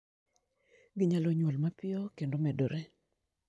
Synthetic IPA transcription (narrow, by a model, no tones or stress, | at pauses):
ɡɪɲalɔɲwɔlmapɪɔkendomɛdɔɾɛ